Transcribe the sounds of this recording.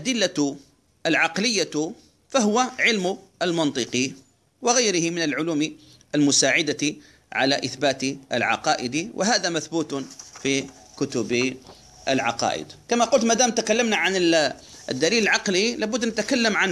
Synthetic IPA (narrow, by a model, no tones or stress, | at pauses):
ʔad̪ɪlːa | ʔalʕɑqlɪjːa | faɦʊwaʕɪlmʊalmɑnt̪ˤɨqi | wɪɣajɾɪhɪmɪnalʕʊluːmi | ʔalmʊsaːʕɪd̪a | ʕa̰la̰ʔɪθbaːt̪ʔɪ̰lʕɑ̰qɑːʔɪd̪iwʔɪɦaːðamaθbuːt̪fi | kʊt̪ʊb | ʔɪ̰lʕɑ̰qɑ̰ːʔɪ̰d̪kamaqʊlt̪maːd̪aːmt̪akalːamnaʕanɪɪd̪ːaliːlɪlʕɑqlilaːbʊd̪ːnat̪akalːamʕan